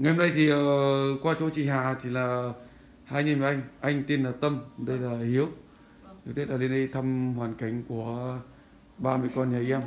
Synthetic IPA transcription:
ŋa˨˩hə˧mnɗə˧jt̪ʰi˨˩ə˨˩˨kwaː˧t͡ɕo˨˦t͡ɕḭ˧˨ɦaː˨˩t̪ʰi˨˩laː˨˩ | haː˧jɲi˧˨nma˨˩ʔa˧jŋ̟ʔa˧jŋ̟t̪i˧nlaː˨˩t̪ə˧mɗə˧jlaː˨˩hi˨˦əw | t̪e˦laː˨˩le˧nɗi˧t̪ʰə˧mhwaː˨˩nka˨˩jŋ̟ku˧˩ə | ɓaː˧mɨ˧əjkɔ˧nɲa˨˩jʔɛ˧m

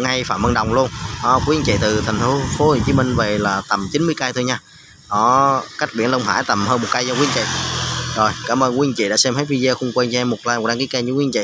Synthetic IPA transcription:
ŋa˧jfaː˧˩mʔə˧nɗə˨˩wŋ͡mlu˧ənʔɔ˨˦kwi˧ə˧nt͡ɕḭ˧˨t̪ɨ˨˩t̪ʰɛ˨˩jŋ̟t̪fʰu˨˦fo˨˦he˨˩t͡ɕi˨˦mï˧ŋ̟vḛ˨˩˨laː˨˩t̪ə˨˩mt͡ɕi˨˦nmɨ˧ka˧jt̪ʰo˧ɲaː˧ | ʔɔ˨˦ka˦˥jk̚ɓḭ˧˩ənlə˧wŋ͡mha̰ː˧˥˩jt̪ə˨˩mɦəː˧nmo˨˩t̚kaː˧jzɔ˧kwi˧ənŋt͡ɕḭ˧˨zo˨˩jkaː˧˩mʔəː˧nkwi˧ə˧nt͡ɕḭ˧˨ɗa̰ː˧˥sɛ˧mhə˨˦˥j̚vi˧ze˧xʊ˧ŋ͡mkwɛ˧nt͡ɕmːo˨˩t̚laː˧jm̚˨˩ɗaː˧ŋki˨˦kə˧ɲɨ̰˧˥kwə˧nt͡ɕḭ˧˨

